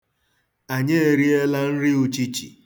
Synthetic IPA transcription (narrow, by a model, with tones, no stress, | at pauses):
a˨ɲe˦e˨ɾi˦e˦la˦n̩˦ɾi˦u˨t͡ʃi˦t͡ʃḭ˨